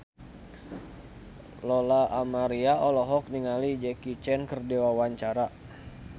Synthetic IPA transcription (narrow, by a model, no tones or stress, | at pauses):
lɔlaʔːmaɾiaɔlɔɦɔk̚niŋalid͡ʒɛkit͡ʃɛnkərdewawaɲt͡ʃaɾa